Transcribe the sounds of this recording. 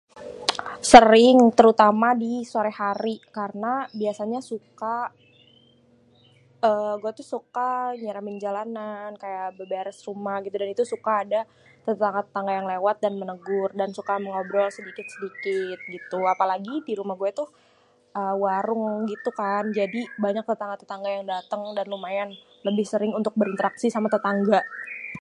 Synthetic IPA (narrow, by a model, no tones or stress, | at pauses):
səɾɪŋt̪əɾut̪amadisuaɾɛhaɾikarənabiasaɲasuka | əːɡuɛt̪ʊhsukaɲaɾamɪnd͡ʒalanankajabərbaɾəsrumahɡit̪udanit̪usukaːda | t̪ət̪aŋɡat̪ə̥t̪aŋɡajaŋlewat̪̚danmənəɡʊrdansukaməŋobɾɔlsədikɪt̪̚sədikɪt̪̚ɡit̪uapalaɡidiɾumahɡuɛt̪ʊh | ʔəwaɾʊŋɡit̪ukand͡ʒadibaɲak̚t̪ət̪aŋɡat̪ət̪aŋɡajaŋdat̪əŋdanlumajan | ləbɪhsəɾɪŋunt̪ʊk̚bəɾint̪əɾaksisamat̪ət̪aŋɡa